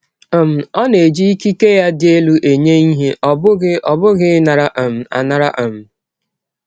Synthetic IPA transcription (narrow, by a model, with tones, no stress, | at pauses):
ɔ˨m̩˨ɔ˦ne˨d͡ʒi˦i˦ki˦ke˦ja˦dɪ˨˦e˦lu˦ʔe˨ɲe˦i˦ɦe˦ʔɔ˨bʊ˦ɣɪ˦ɔ˨bʊ˦ɣɪ˦na˨ɾa˦ʔa˨m̩˨a̰˨na˨ɾa˦ʔa˨m̩˨